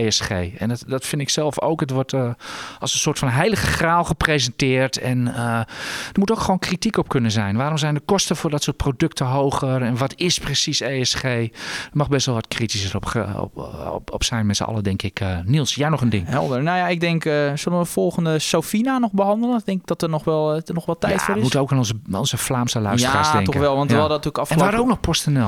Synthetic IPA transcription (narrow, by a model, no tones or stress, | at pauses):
eɛsxeːɛ̰nddɔtfɪndɪksɛlˠfo̰wkətʋɔtʔɑlˠsənsoːtfɑnɦejləɣəxraːlˠxəprezəntɪːrtʰɛnədərmutoːwkxʋoːwnkritikɔp̚kønənzɛjnʋaːɾɔmzɛjndəkɔstəfʊːɹdɔtsʊːt̚prodøktʰəɦowxərɛnʋɔtɪsprəsiseɛsxeːdəɹmɑχbɛstʋɛlˠʋɑtkritisərɔp | ɔ̰psɛjnmɛtsə̰ɑ̰lədɛŋkɪkənilˠsjaːnɔχəndɪŋɦɛ̰lˠdənojaɪɡ̚dɛŋkəsɵlənʋəfɔlˠχəndəsofinanɔχbəɦɑndələndɛŋkɪɡ̚d̥ɔtənɔxʋɛlˠənɔxʋɛlˠtɛjtfʊːɾɪmutəowkaːnɔnzəɔ̰nzəflaːmsəlœɥstaəaːsdɛŋtɔkʋɛlˠʋɑntːˠdtyːkɑfɛnʋaːɾowk̚nɔχpɔstənɛlˠ